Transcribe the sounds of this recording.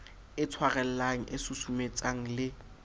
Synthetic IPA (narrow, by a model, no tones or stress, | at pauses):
ɪt͡sʰwaɣɛl̩laŋ̩ʔɪsʊsumet͡sʼaŋ̩lɪ